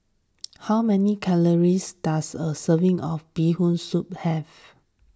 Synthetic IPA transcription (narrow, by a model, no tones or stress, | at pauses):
hawmɛnikʰɛləɹisd̥asəsəvɪ̃ŋɔfbihũnsup̚hɛv